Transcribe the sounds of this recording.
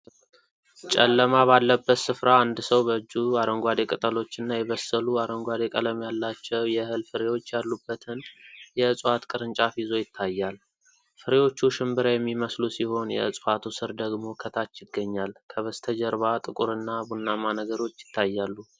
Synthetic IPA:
t͡ʃʼɛ̰lːəmaβalːəbːət̪sɨfɾaːnd̪səwbəɨd͡ʒːuaɾəŋɡʷad̪ekʼɨt̪ʼəlo̞t͡ʃːɨnːajɛβəsːəluaɾəŋɡʷad̪ekʼələmjalːat͡ʃːɛwjɛhɨlfɨɾewo̞t͡ʃːjalːubːət̪ʰɨnjɛɨsʼwat̪kʼɨɾɨnt͡ʃʼafizo̞jɪt̪ʰːajːal | fɨɾewo̞t͡ʃːuʃɪmbɨɾajɛmːiməslusiho̞njɛ̰ɨsʼfat̪ʰusɨɾd̪əɡmo̞kʰət̪ʰat͡ʃːjɪɡːəɲːalkʰəβəst̪ʰəd͡ʒəɾβat̪ʼɨkʼuɾɨnːabunːamanəɡəɾo̞t͡ʃːjɪ̥t̪ʰːajːalːu

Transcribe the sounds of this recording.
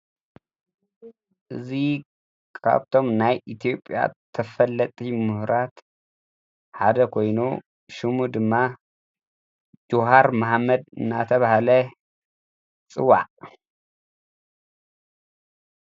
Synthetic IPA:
ʔɨzi | kʰa̰βt̪ʰo̞mnajʔit̪ʰijo̞pʼja̰t̪ʰːɐfɐlːɐt̪ʼimɨhɾat̪ | ħad̪ɐkʰo̞jnu | ʃumud̪ɨmːa | d͡ʒuɦaɾmaħmːɐd̪ɨ̰nːat̪ʰɐβahalɐ | t͡sʼɨ̰wːa̰ʕ

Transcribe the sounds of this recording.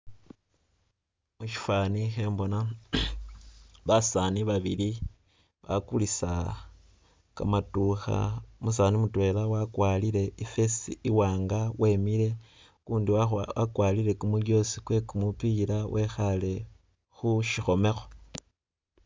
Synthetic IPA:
muʃi̥fanixe̞ːmbo̞na | βasaniβaβili | βa̰kulisa | ka̰matuxa̰mus̬animutwe̞lawakwalile̞ife̞siiwaːŋɡawʔe̞miɾe̞ | kuːndiakwaliɾe̞kumuljo̞sikwe̞kumupiɾawʔe̞xale̞ | xuʃixo̞me̞xo̞

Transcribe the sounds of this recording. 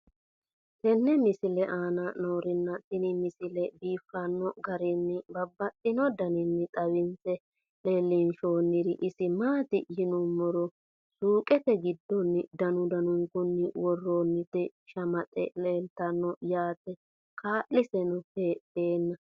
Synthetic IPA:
t̪ɛnːɛmɪsɪlɛʔaːnɐnoːɾɪnːɐt̪ɪnɪmɪsɪlɛbiːfːɐnːɔɡɐɾɪnːɪbɐbːɐtʼːɪnɔd̪ɐnɪnːɪt̪ʼɐwɪnt͡sɛ | leːlːɪnʃo̞ːnːɪɾɪʔɪsɪmaːt̪ɪjɪnʊmɔɾɔ | suːkʼɛt̪ɛɡɪd̪ːɔnːɪd̪ɐnʊd̪ɐnʊŋkʊnːɪwɔrːoːnːɪt̪ɛʃɐmɐt̪ʼɛ̰leːlt̪ɐnːɔjaːt̪ɛ | kʰaːʔːɪsɛnʊpeːtːeːnːɐ

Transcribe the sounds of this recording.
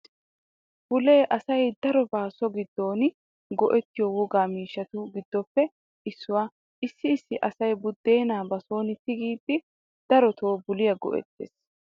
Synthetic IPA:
b̥ʊle̞ːʔɐsɐjd̪ɐɾɔbaːsɔɡɪd̪ːo̞ːn | ɡɔʔɛt̪ːɪjɔwɔɡaːmiːʃːɐt̪ʊɡɪd̪ːɔpːɛ | ʔɪsːʊwaː | ʔɪsːɪːsːɪʔɐsɐjbʊd̪ːe̞ːnaːbɐso̞ːnɪt̪ːɪɡiːpʼːɪ | d̪̥ɐɾɔt̪ʰo̞ːbʊlɪjɐɡɔ̰ʔɛ̰t̪ːḛːs

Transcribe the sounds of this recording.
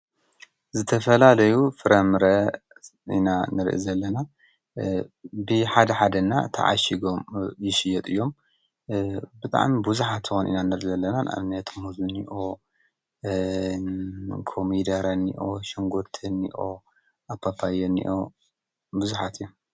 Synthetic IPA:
zɨt̪ʰɐfɐlalɐjufɨɾɐmɾɐ | ʔḭnanɨɾʔḭzɐlːɐna | bɨħad̪ɐħad̪ɐna̰t̪ʰɐ̰ʕa̰ʃiɡomjɪʃɪjɛt̪ʼɨjːo̞m | bɨt̪ʼa̰ʕmibuzuħat̪ːɨxonʔḭnanɨɾʔzɐlːɐnanʔa̰mnɐt̪ʰmuzuniʔo | kʰomid̪ɐɾɐnːḭʔoʃiŋɡuɾt̪ʰɨnːḭʔo | ʔapʰːapʰːajenːḭʔo | buzuħat̪ɨjːom

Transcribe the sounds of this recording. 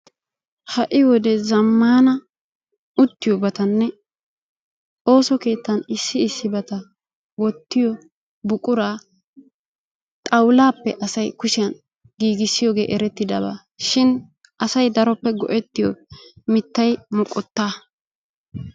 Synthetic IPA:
hɐʔɪwɔd̪ɛzɐmːaːnɐ | ʊt̪ːɪjɔbɐt̪ɐnːɛ | o̞ːsɔke̞ːt̪ːɐnɪsːɪːsːɪbɐt̪ɐ | wɔt̪ːɪjɔ | bʊkʼʊɾaː | t̪ʼɐwlaːpːɛʔɐsɐjkʊʃɪjɐn | ɡiːɡɪsːɪjoːɡeːʔɛɾɛt̪ːɪd̪ɐba̰ː | ʃɪn | ʔɐsɐjd̪ɐɾɔpːɛɡɔ̰ʔɛt̪ːɪjɔ̰mɪt̪ːɐjmʊkʼɔt̪ːaː

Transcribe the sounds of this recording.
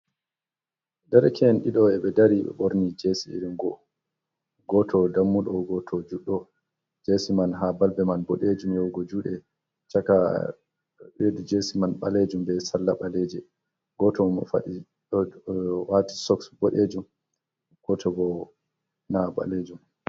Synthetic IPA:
dɛɾɛkʰɛnɗiɗɔɛɓɛdaɾiɓɛ̰ɓoɾnid͡ʒesiḭɾinɡɔ | ɡɔtʰɔdamːulɔɡɔtʰɔd͡ʒuɗːɔ | d͡ʒesimanɦabalbɛmanbɔɗed͡ʒumjɔwɡɔd͡ʒuːɗɛ | t͡ʃaka | ɓeɗud͡ʒesimanɓa̰led͡ʒumbɛsalːaɓaled͡ʒɛ | ɡɔtɔfa̰ɗi | wati̥sɔksbɔɗed͡ʒum | ɡ̥ɔtʰɔbɔ | naba̰led͡ʒum

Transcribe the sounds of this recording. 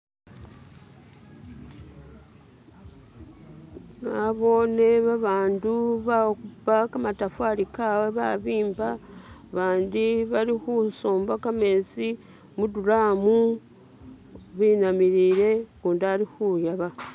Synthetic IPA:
naβo̞ːne̞βaβaːnduβakupakamatafwalikaweβa̰βiːmbaβaːndiβaɾixusoːmbakameːsi | muduɾaːmu | βiːnamiɾiːɾe̞kuːndaɾixujaβa

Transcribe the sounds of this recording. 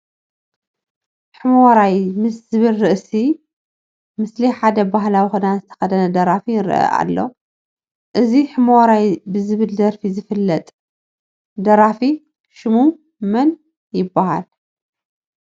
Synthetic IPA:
ħɨmoɾajmɨsz̥ɨβɨlɾɨʔsi | mɨsliħad̪ɐbaɦlawixud̪anzɨt̪ʰɐ̥xɐd̪ɐnɐd̪ɐɾafinɨɾɨʔɐ̰ʔa̰lːo̞̰ | ʔɨziħɨmoɾajbɨzɨβɨld̪ɐɾfizɨfɨlːɐt̪ʼ | d̪ɐɾafi | ʃɨmu | mɐn | jɪbːaha̰l

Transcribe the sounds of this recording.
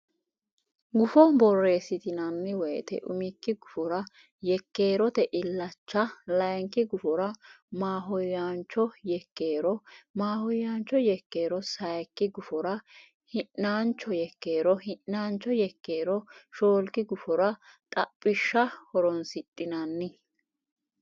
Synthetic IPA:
ɡʊfɔbɔrːe̞ːsɪt̪ɪnɐnːɛwɔjt̪ɛ̰ʔʊ̰mɪkːɪɡʊfɔɾɐ | jɛkːe̞ːɾɔt̪ɛʔɪlːɐt͡ʃːɐlɐjŋkːɪɡʊfɔɾɐ | maːɦɔjːant͡ʃːɔjɛkːe̞ːɾɔmaːhɔjant͡ʃːɔjɛkːe̞ːɾɔsɐjkːɪɡʊfɔɾɐ | hɪʔnaːnt͡ʃːɔjɛkːe̞ːɾɔhɪʔnaːnt͡ʃːɔjɛkːe̞ːɾɔʃo̞ːlkɪɡʊfɔɾɐt̪ʼɐpʼːɪʃːɐhɔɾɔnsɪtʼːɪnɐnːɪ

